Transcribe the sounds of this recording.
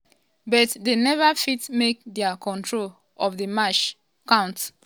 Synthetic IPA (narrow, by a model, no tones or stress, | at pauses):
bɔtdenɛvafitmek̚dɛakɔ̃ntɹol | ɔvdəmaʃ | kãʊ̃nt